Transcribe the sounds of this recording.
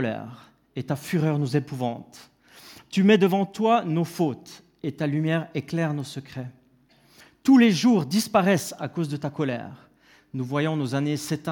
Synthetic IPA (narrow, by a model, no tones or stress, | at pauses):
lɛ̰ʁ | et̪afyʁœʁnuzepuvɑ̃t̪ | t̪ymɛd̪əvɑ̃t̪wanofot̪ | et̪alymjɛʁeklɛʁnosəkχɛ | t̪uleʒuʁd̪ispaʁɛsakozd̪ət̪akɔlɛ̰ʁ | nuvwajɔ̃nozanesɛt̪ɛ̃